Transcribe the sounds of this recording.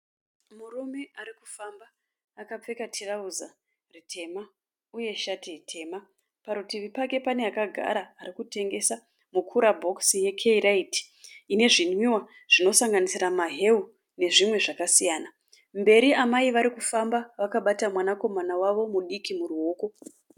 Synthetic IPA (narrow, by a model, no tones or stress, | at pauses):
murume̞aɾiku̥fambaː | kap͡fe̞katʰirauza | ritʰe̞ma | uje̞ʃatitʰe̞ːma | paɾutiʋipake̞pane̞akaɡʱa̰ɾaːɾikute̞ŋɡe̞sa | mukʰuɾabʱo̞ksije̞kʰeiraiti̥ | ine̞ʐinwiwa | ʐ̥ino̞saŋɡanisiɾamaɦe̞u | ne̞ʐimwe̞ʐakasijaːna | mbe̞ɾiamaiʋaɾikufambaʋakaɓatamwanako̞manawaʋo̞muɗikimuruoːko̞